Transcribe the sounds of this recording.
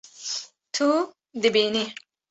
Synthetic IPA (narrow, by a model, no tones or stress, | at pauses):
t̪ʰu | d̪ibini